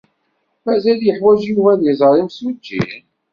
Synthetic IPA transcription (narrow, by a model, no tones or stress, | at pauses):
mæzæljəħwæʒivæðjəzˤəɾˤimsud͡ʒːḭn